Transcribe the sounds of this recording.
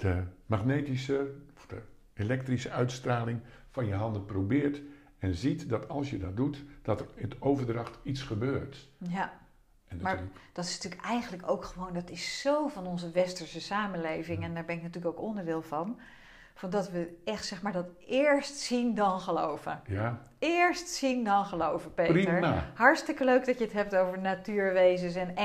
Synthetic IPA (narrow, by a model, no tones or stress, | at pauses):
d̥əmaχnejtisəɔfd̥ə | elɛk̚trisəœɥtstraːlɪŋfɑnjəɦɑndəprowbɪːɹt | ɛnzitdɑtɑlˠsjədɑt̚dutd̥ɑtərtowvəɹdrɑχtitsχəbøːɹtja | ʔɛndmaɹd̥ɑtɪsntyːlkɛjχənləkowkχəʋowndɑtɪsːowvɑnɔnzəʋɛstəɹsəsaːmənlejvɪŋɛndaːɹbɛnɪknatyːləkowkɔndəɹdɪːlˠvɑn | fɑndɑtʋəɛχtsɛχmaːɹdɑt | ɪːɹstsindɑnχəlowvəja | ɪɹstsindɑnχəlowvəpeːiəɹhɑɹstɪkəløɥk̚dɑtjəətɦɛp̚towvəɹnatyːɹʋejzəs̬ɛn